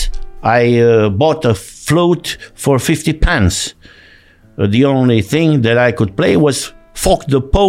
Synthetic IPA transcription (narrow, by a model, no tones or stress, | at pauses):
aɪbɔtəflutfə˞fɪftipʰãns | ðiõʊ̃nliθɪ̃ŋðɨɾaɪkʊd̚pleɪwʌz̥fɔkðəpʰo